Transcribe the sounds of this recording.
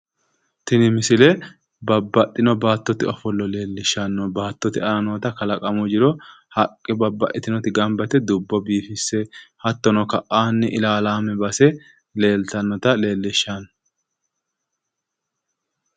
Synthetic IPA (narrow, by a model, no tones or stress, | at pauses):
t̪ɪnɪmɪsɪlɛ | bɐbːɐʔ̪ʼɪnɔbaːt̪ːɔt̪ɪɔfɔlːɔle̞ːlːɪʃːɐnːɔbaːt̪ːɔt̪ɪɐnɐnoːt̪ɐkɐlɐkʼɐmʊd͡ʒɪɾɔ | hɐkʼːɪbɐbːɐʔɪt̪ɪnɔt̪ɪɡɐmbɐt̪ɛd̪ʊbːɔbiːfɪsːɛhɐt̪ːɔnɔkɐʔaːnːɪʔɪlaːlaːmɛbɐsɛ | le̞ːlt̪ɐnːɔt̪ɐle̞ːlːɪʃːɐn